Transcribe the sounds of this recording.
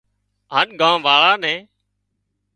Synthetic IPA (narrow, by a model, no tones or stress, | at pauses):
ɦənɡʱãːʋaːɭaːnɛ̃ː